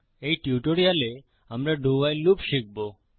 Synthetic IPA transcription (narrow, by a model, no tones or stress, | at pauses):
ejʈiuʈoɾiale | amɾaɖʱuajlupʃik̚bo